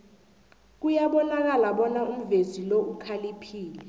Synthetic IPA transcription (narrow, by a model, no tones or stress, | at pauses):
k̬ujaɓɔnak̬alaɓɔnaum̩veziloukʰalipʰiːlɛ